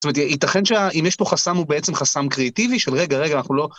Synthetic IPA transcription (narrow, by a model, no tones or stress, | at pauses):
tometit̪aχe̞nʃeaʔimjeʃpo̞χasamubeet͡se̞mχasamkʁeat̪iviʃelʁeɡaʁeɡaːnaχnulo̞